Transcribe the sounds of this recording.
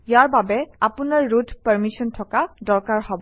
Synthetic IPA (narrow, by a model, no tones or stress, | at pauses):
jaɹbabɛapʊnaɹːutpəɹmisɔntʰɔkadɔɹkaɹhɔbɔ